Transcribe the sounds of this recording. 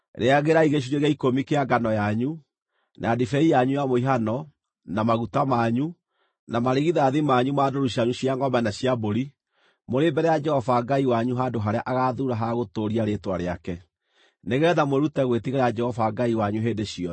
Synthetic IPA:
ɾeaɣeɾaiɣeɕ̬uɾeɣaikomikeaɡanɔjaɲu | nʔa̰adifɛijaɲujamoiɦanɔ | namaɣutamaɲu | namaɾeɣiðaðimaɲumaːdoɾuɕjaɲuɕiaŋɡɔmɛnaɕiaboɾi | moɾembɛɾɛjad͡ʒɛhɔvaɡaiwaɲuɦadoɦaɾeaʔaɣaðuɾaɦaɣotoɾiaɾetwaɾeakɛ | neɣɛðamweɾutɛɣwetiɣeɾaad͡ʒɛhɔvaɡaiwaɲuɦeːdeɕiɔ

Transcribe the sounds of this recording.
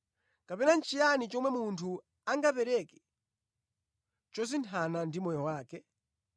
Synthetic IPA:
kapɛnant͡ʃʰijanit͡ʃɔmwɛmuntʰu | aŋɡapɛɾɛkɛ̥ | t͡ʃɔs̬intʰanandimɔjɔwaːkɛ

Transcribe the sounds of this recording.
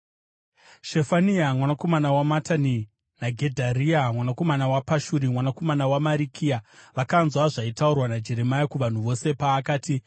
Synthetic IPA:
ʃefaniamwanako̞manawamatani | naɡʱe̞dʱaɾiamwanako̞manawapaʃuɾimwanako̞manawamaɾikʰiaʋakanzwaʐaitaurwanad͡ʒe̞ɾe̞majakuʋan̤uʋo̞se̞paːkaːti

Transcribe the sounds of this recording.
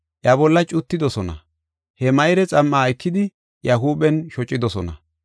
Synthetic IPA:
ʔjɐbɔlːɐt͡ʃʼʊt̪ːɪd̪ɔsɔnɐ̰ | hɛmɐjɾɛt͡sʼɐmːaːɪkːɪd̪ɪ | jɐɦuːbɛnʃɔt͡ʃʼːɪd̪ɔsɔnɐ̰

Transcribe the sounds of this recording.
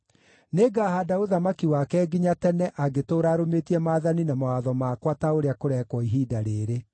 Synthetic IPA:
neːɡaːhadaoðamakiwakɛːɡiɲatɛnɛʔaɡetoːɾaːɾometiɛmaːðaninamawaðɔmakwataoɾeakoɾɛkwɔiɦiːdaɾeːɾe

